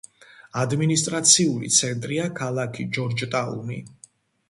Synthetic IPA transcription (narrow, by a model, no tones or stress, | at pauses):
ad̪minist̪ʼɾat̪sʰiulḭt̪sʰɛnt̪ʼɾiakʰalˠakʰid͡ʒɔɾd͡ʒt̪ʼaṵnḭ